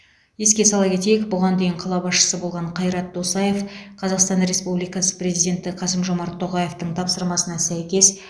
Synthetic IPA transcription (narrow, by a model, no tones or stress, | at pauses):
je̞skʲe̞sɑlˠɑpkʲe̞t̪e̞jɪkbʊʁɑnd̪e̞jɪɴqʰɑlˠɑbɑsʃə̥səbo̞lˠʁɑɴqʰɑjɾɑt̪̚d̪o̞sɑje̞fqʰɑzɑqst̪ɑnɾʲe̞spublijkɑsə̥prʲe̞zijd̪ʲe̞nt̪ɪqʰɑsəmʒo̞mɑɾt̪ʰːo̞ʁɑje̞ft̪əɴt̪ʰɑpsəɾmɑsənɑsæjkʲe̞s